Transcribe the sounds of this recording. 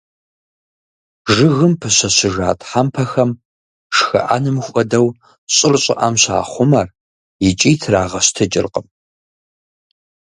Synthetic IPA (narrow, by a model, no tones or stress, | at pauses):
ʒɨɣɨmpʰɨɕɐɕɨʒaːtʰʼħampʰɐxɐm | ʂxɐ̰ʔa̰nɨmxʷɔdɐw | ɕʼɪrɕʼɪ̰ʔɐmɕa̰ːχʷʊmɐr | jɪt͡ʃʼiːtʰraːʁɐɕtʰɨt͡ʃʼɪ̰rqʼəm